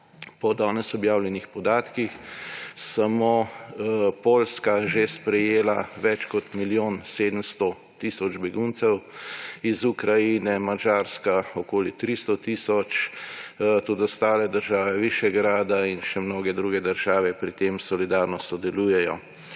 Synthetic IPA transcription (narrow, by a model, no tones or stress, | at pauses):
pɔd̪aːnɛsɔbjaːwljɛnixpɔd̪aːt̪kixsamo | poːlskaʒespɾɛjeːlaʋɛt͡ʃkɔt̪miljoːnseːd̪əmst̪ɔ | t̪isɔd͡ʒbɛɡunt̪sɛwizukɾajinɛmad͡ʒaːɾskaɔkoːlit̪ɾist̪ɔt̪iːsɔt͡ʃ | t̪od̪ɔst̪aːlɛd̪əɾʒaːʋɛʋiʃjɛɡɾaːd̪ainʃɛmnoːɡɛd̪ɾuːɡɛd̪əɾʒaːʋɛpɾit̪eːmsɔlid̪aːɾnɔsɔd̪ɛluːjɛjɔ